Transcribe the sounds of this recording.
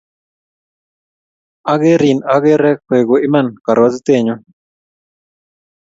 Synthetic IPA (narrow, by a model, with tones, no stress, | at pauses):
a˦ɡe˦ɾi˨na˦ɡe˦ɾɛ˦kwe˨ɡo˨ɪ˦ma˦˨nka˨ɾwa˦zt̪e˦˨ɲo˦